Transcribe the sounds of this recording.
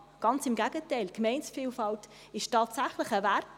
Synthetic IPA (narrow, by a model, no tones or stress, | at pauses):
ɡ̥ɑnt͡sɪmɡæɡətɛɪlkmɛɪnsfiːlfɑlt | ɪʃtɑːtsæχləχəvært